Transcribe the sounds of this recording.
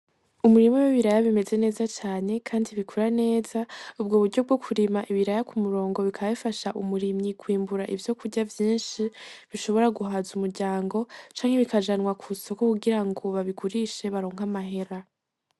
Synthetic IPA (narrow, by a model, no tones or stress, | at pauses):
umuɾimowiβiɾajaβime̞ze̞ne̞ːzat͡ʃaːne̞kʰaːndiβikʰuɾane̞ːzaub̚ɡoːβuɾɟo̞b̚ɡo̞kʰuɾimaʔiβiɾajakumuɾo̞ːŋɡo̞βikʰaβaβifaʃaʔumuɾimɲikʰwiːmbuɾaʔivjo̞kuɾɟavjiːnʃiβiʃo̞βo̞ɾaɡuɦazumuɾɟaːŋɡo̞t͡ʃaːŋ̥he̞βikaʒanŋwakʰuso̞kokuɡiɾaŋɡo̞βaβiɡuɾiʃe̞βaɾoːŋ̥amaɦe̞ɾa